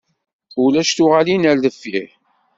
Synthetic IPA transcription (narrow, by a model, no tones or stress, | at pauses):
ulæʃt̪ʊʁalinæɾləfːi